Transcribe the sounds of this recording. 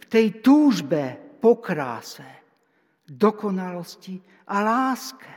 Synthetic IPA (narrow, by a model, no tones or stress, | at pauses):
ft̪ɛjt̪uːʒbɛpɔkɾa̰ːsɛ | d̪ɔkɔnalɔsci | ʔalaːskɛ